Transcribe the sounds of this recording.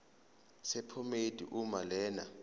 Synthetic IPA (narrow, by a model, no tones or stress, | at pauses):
sɛpʰomedʱʼḭʔumalɛːna̰